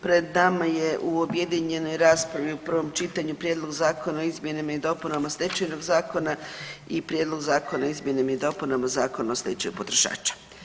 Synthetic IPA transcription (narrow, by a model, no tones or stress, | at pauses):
pɾe̞d̪namaje̞ʔuobje̞d̪iɲe̞no̞jɾaːspɾaʋiupr̩ʋo̞mt͡ʃit̪aɲupɾje̞d̪lˠo̞ɡzaːko̞naoizmje̞namaid̪o̞punamaoslʲet͡ʃajno̞ɡzaːko̞naipɾjed̪lˠo̞ɡzaːko̞naizmje̞namaid̪o̞punamazaːkonaoslʲet͡ʃajupot̪ɾoʃa̰ːt͡ʃḁ